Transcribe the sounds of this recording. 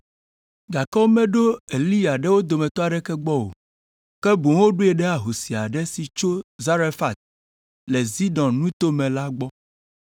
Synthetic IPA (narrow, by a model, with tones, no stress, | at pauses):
ɡa˨kɔ˦mɛ̃˦ɖo˦e˨li˦ja˨ɖɛ˦wo˦d̪o˨mɛ̃˨t̪ɔ˦a˨ɖɛ˦kɛ˦ɡ͡bɔ˦wo̰˨ | kɛ˦bo˨ŋ˦wo˦ɖo˦ɛ˨ɖɛ˦a˨ɦo˨si˨a˨ɖɛ˦si˨t͡ʃo˦za˦ɾe˦fa˨t̪̚ | lɛ˨zi˦dɔ̃˨nnũ˦t̪o˦mɛ̃˨la˦ɡ͡bɔ˦